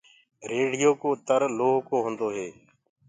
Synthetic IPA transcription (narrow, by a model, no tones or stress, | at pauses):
ɾeːɽɪjoːkoːt̪əɾloːɦkoːɦõːnd̪oːɦeː